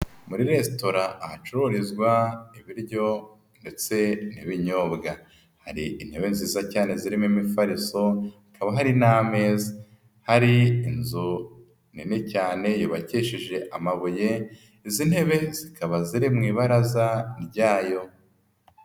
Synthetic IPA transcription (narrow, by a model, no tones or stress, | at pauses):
muɾiɾe̞stoɾaʔːhat͡ʃuɾoɾizɡwaiβiɾɟo̞ | nde̞t͡se̞niβiɲobɡa | haɾiʔinheβenziːzacaːne̞ziɾimimifaɾiso̞akaβaɦaɾinaːme̞za | haɾiːnzu | ninecaːne̞joβaciʃiʒe̞ʔa̰maβuje̞ | izin̥he̞βe̞z̥ikaβaziɾimŋiːβaɾazaɾɟaːjo̞